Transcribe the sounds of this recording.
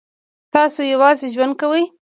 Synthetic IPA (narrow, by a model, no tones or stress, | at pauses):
t̪ɑsojawɑzeʒwand̪̚kawəj